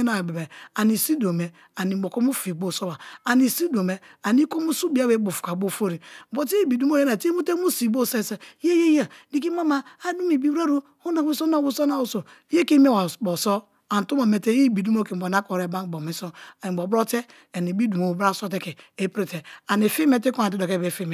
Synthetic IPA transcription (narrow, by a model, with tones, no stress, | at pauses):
na˨be˨be˨a˨ni˨si˦do˨me˨ | a˨ni˨bo˨ko˦mu˦fi˨bo˦so˦ba˨a˨ni˨si˦do˨me˨a˨ni˦ko˦mu˦su˦bi˦a˦be˨˦bo˨fu̥˨ka˨bo˦˨fo˦ɾi˨bo˨˦ti˦i˦bi˨du˦m˦o˦je˦na˨ti˦mu˦te˦mu˦si˨bo˦se˦˨se˦je˦je˦ja˨di˦k̬i˦ma˦ma˦a˦du˦mi˨bi˦ba˦ɾu˦ | hu˦na˨˦i˦so˦na˦˨wu˦so˦na˦˨wu˨so˨˦ | je˦ki˦me˦wa˨bo˨so˦ | a˨n˨tu˦ma˨me˨te˦ji˦˨bi˨du˦mo˦ki˨bo˨na˦ko˨ɾe˨˦ba˦n˨bo˨me˨so˦a˨ni˨bo˨bɾo˦te˦ | a˨ni˨bi˦du˨mo˨bɾa˦˨so˦t̬e˦ke˨e˦pɾi˦te˨a˨ni˨fi˦me˦te˦ko˦a˨ti˦do˨ke˦˨be˨fi˦me˨